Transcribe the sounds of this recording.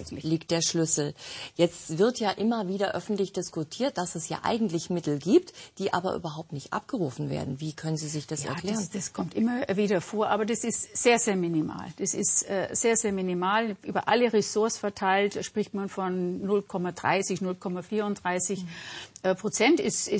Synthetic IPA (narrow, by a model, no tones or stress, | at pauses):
liːk̚t̚d̥eːɐʃlʏsl̩jɛt͡stv̥ɪɐtjaːʔɪmɐviːdɐʔœfn̩tlɪçd̥ɪskʊtʰiːɐt̚d̥asɛsja̰ːʔa̰ɪɡŋ̩tlɪçmɪtl̩ɡiːp̚td̥iːʔa̰ːbɐ̰ʔy̰ːbɐɦaʊp̚tnɪçtʔa̰p̚ɡ̥əʁuːfn̩vḛːɐdn̩viːkʰœnənziːzɪçd̥asɛa̰ɐkʰl̥ɛːʁənd̥askʰɔmtʔɪmɐviːdɐfoːɐʔaːbɐdasɪstz̥eːɐzeːɐmɪnima̰ːld̥asɪ̰stʔɛːz̥eːɐzeːɐmɪnimaːlʔy̰ːbɐʔaləʁesʊɐsfɛɐtʰaɪltʃpʁ̥ɪçtmanfɔnːʊlkʰɔmadʁa̰ɪsɪçnʊlkʰɔmafiːɐʊntd̥ʁaɪsɪçʔɛpʁ̥ot͡sɛntɪsɪ